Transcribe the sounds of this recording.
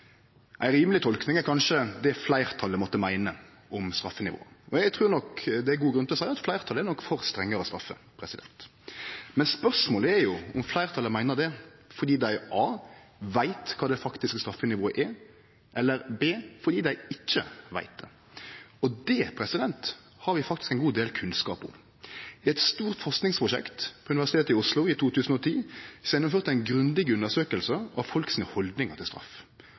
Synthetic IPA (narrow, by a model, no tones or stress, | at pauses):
ʔæ̰ɪɾiːməlɪt̪ʰɔlknɪŋɛɾkʰɑnʂəd̪ɛflæɪɾt̪ʰɑlːəmɔt̪ːəmæɪnə | ʔɔmst̪ɾɑfːənɪʋo̰ːəʔɔɛɡt̪ʰɾʉːɾnɔkd̪ɛæɾɡuːɡɾʉnt̪ɪlɔsæɪɑt̪flæɪɾt̪ʰɑlɛɾnɔkːfɔɾst̪ɾɛŋːəɾəɔst̪ɾɑfːə̰pʰɾɛsɪd̪ɛ̰nt̪ | mɛnspœʁʂmoːləæɾjʊɔmflæɪʁt̪ʰɑlːəmæɪnəɾd̪ɛfɔɾd̪iːd̪æɪʔɑːʋæɪt̪kʰɑːd̪ɛfɑkt̪ɪskst̪ɾɑfːənɪʋoːəʔɛ | ʔɛlːəɾbeːfɔʁd̪iːd̪æɪɪçːə̰ʋæ̰ɪt̪̚d̪ɛ | ɔd̪ɛpʰɾɛsɪd̪ɛnt̪ | hɑɾʋɪfɑkt̪ɪskæɪnɡuːd̪eːlkʰʉnskɑ̰ːpʊ̰m | ɪɛt̪st̪uːʁt̪fɔʁsknɪŋspʰʁʊʃɛ̰kt̪pʰɔʉnɪʋæʁsɪt̪ʰeːt̪əɪʊslʊɪt̪ʰuːt̪ʰʉːsn̩ɔt̪ʰiːsjɛnːʊmføːɾt̪ːæɪnɡɾʉnd̪ɪɡʉnəʁsøːkəlsəʔɑʋfɔlksiːnəhɔld̪nɪŋɑt̪ʰɪlst̪ɾɑ̰f